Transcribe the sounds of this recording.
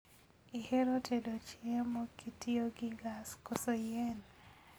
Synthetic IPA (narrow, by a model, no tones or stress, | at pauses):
iheɾotʰedot͡ʃɪɛmokitioɡiɡaskosojɛn